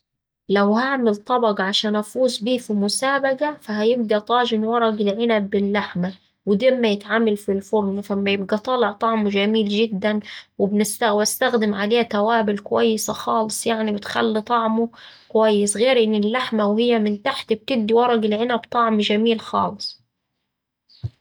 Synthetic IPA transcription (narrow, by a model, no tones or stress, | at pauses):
læwhaʕmɪlt̪ˤɑbɑɡʕaʃæːnʔæfuːzbiːfimʊsaːbaɡafæhæjɪb̚d̪æt̪ˤɑːʒɪnwɑɾˤɑɡɪlʕɪnæbːɪlːaħma | wɪd̪eːmːæjɪt̪ʕamalfilfʊɾnfamːæjɪbɡæt̪ˤɑːleʕt̪ˤɑʕmuʒæmiːlʒɪd̪ːænwɪbnɪst̪awast̪æxd̪ɪmʕaleːhæt̪æwaːbɪlkʊwæjːɪsaxɑːlɨsˤjaʕnibɪt̪xæ̰lːit̪ˤɑʕmukʊwæjːɪsɣeːɾʔɪnːɪlːaħmawhɪjːæmɪnt̪aħt̪b̚t̪ɪb̚d̪iwɑɾˤɑɡɪlʕɪnæbt̪ˤɑʕmʒamiːlxɑ̰ːlɨsˤ